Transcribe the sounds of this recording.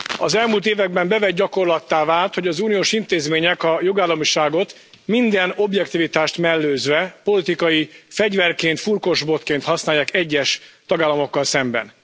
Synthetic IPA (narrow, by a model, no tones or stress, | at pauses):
ɒzɛlmult̪eːvɛɡ̚bɛmbɛvɛɟɟɒko̞rlɒt̪ːaːvaːlt̪ho̞ɟɒzuːnijoːʃint̪eːzmeːɲɛkɒjoɡaːlːɒmiʃaːɡo̞t̪ | mind̪ɛno̞bjɛkt̪ivit̪aːʃt̪mɛlːøːzvɛpo̞lit̪ikɒjifɛɟvɛrkeːnt̪furko̞ʒbo̞t̪keːnt̪hɒsnaːjːaːkɛɟːɛʃt̪ɒɡaːlːɒmo̞kːɒlsɛmbɛ̰n